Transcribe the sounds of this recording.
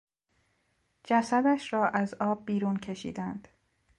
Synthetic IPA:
d͡ʒæsæd̪æʃɾɒːʔæzɒːb̚ːiːɾuːncʰe̞ʃḭːd̪ænd̪̥

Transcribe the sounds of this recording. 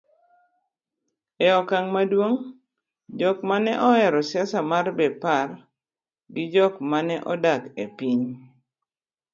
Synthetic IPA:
ɛɔkaŋmadwoŋ | d͡ʒɔkmanɛʔɔɛɾɔsjasamarbɛpar | ɡɪd͡ʒɔkmanɛʔɔdakepiɲ

